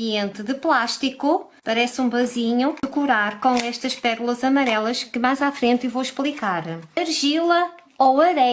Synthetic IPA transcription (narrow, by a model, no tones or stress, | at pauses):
ẽnt̪ɨðɨplˠaʃt̪iku | pɐɾɛsũbɐziɲuɨkuɾaɾkõw̃ɛʃt̪ɐʃpɛɾulˠɐzɐmɐɾɛlˠɐʃkɨmajzafɾẽnt̪ivowʃplˠikaɾɐɾʒilˠɐ | owɐɾɛ